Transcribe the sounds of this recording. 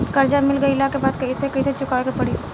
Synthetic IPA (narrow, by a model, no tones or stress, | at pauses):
kɐɾd͡ʒamɪlɡəilakebaːd̪̚kɐisekɐiset͡ʃʊkaːɭkepɐɽi